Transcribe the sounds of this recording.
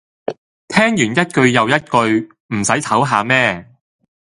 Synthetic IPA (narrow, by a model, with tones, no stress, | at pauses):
t̪ʰɛː˥ŋjyː˨˩njɐ˥t̚kɵ˧ɥjɐ˨wjɐ˥t̚kɵ˧ɥ | m̩˨˩sɐ˨˥jt̪ʰɐ˨˥wɦaː˨˧mɛː˥